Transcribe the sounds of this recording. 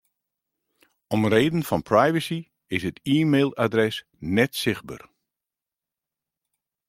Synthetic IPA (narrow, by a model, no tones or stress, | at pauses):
ɔmreːdən̩fɔnpʰrajvəsi | ɪsətiːmeːlˠadrɛs | nɛtsɪx̚ba̰r